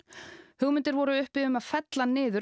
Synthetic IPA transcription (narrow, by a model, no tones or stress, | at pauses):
hʏɣmɪnt̪ɪɾvɔɾʏʏhpɪʏmaðfɛt̪lanɪːðʏ